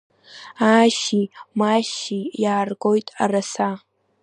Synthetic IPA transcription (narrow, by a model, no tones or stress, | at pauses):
aʃimaʃijaːrɡojtʼa̰rasa